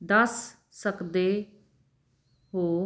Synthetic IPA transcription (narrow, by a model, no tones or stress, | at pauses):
d̪əsː | əkd̪eː | ɦoː